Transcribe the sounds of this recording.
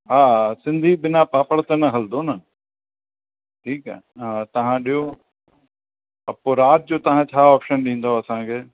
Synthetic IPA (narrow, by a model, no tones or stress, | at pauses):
ɦaːsɪ̃nd̪ʱiɓɪnapaːpəɽt̪enɐɦɐld̪ʱonɐ | ʈʰiːkɦɛ̰ɦɦat̪ɐʋ̤ãɗijo | ɐpoːɾaːt̪̚d͡ʑoːt̪ɐɦãt͡ɕʰaːɔːpʃənɗĩːn̆d̪oɐsãkʰeː